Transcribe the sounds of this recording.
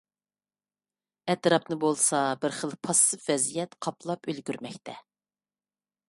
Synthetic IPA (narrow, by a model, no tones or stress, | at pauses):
ɛt̪ɾɑpnɨbolˠsɑbɪɾχəlˠpʰɑsːɨfvɛzijɛt̪qʰɑpʰlˠɑpølɡʲyɾmɛkʲt̪ʰɛ